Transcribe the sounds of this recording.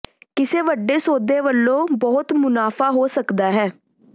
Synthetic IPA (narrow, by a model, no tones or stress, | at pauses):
kɪseːʋəɖːeːsoːd̪eːʋəlːõːbɔːt̪mʊnaːfʰaːɦoːsəkd̪aːɦɛː